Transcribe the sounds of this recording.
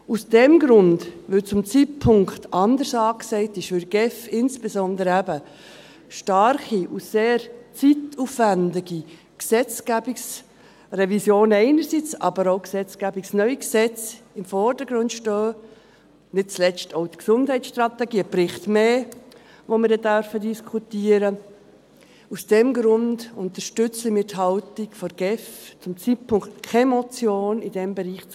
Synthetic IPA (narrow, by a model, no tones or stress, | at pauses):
usd̥ɛmɡɾʊndʋɵt͡sʊmt͡sit̚pʰʊŋkt̪ʰɑnd̪əɾsɑːksɛɪtɪʃfʏɾɡ̥ɛfɪnsb̥ezɔnd̪əɾæbə | ʃtɑɾχiʔuseːɾt͡situfvændɪɡi | ksɛt͡sɡ̥æbiks | rɛvisjoːnɛɪnəɾsit͡sɑ̰bəɾoʊksɛt͡sɡ̥æbiksnœʏiksɛt͡sɪmfɔrd̥əɡɾʊndʃtøː | nɪt̚t͡slɛt͡stoʊtksʊndhɛɪt͡sʃt̪rɑt̪ɛɡiːəprɪχt̪meː | ʋomɪɾdɛdœɾfədiskʰutiːəɾə | usd̥ɛmɡɾʊndʊnt̪əʃtʏt͡simɪtɦɑltikfɔɾɡ̥ɛft͡sʊmt͡sit̚pʰʊŋktkʰɛmɔt͡sjoːnid̥ɛmbɛɾiːχt͡s